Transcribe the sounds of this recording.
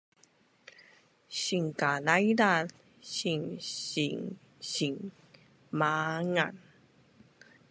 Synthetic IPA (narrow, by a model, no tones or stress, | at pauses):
ɕiŋkalajda | ɕiŋɕiŋ | ɕiŋ | maŋan